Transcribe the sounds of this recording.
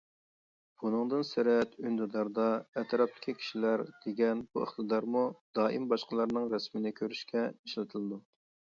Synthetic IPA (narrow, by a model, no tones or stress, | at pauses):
b̥unɨŋd̪ɨnsɪɾɛt̪ynd̪ɨd̪ɑɾd̪ɑɛt̪ʰɾɑp̚t̪ʰɪ̥kʲʰikʲʰi̥ʃilæɾd̪̥eɡʲɛnbuḛχt̪ɨd̪ɑɾmud̪̥ɑːʔimbɑʃqəlˠɑɾnɨŋɾɛsmɪnɪkʲʰøɾyʃkʲʰɛiʃlɨt̪ʰɨlˠɨd̪u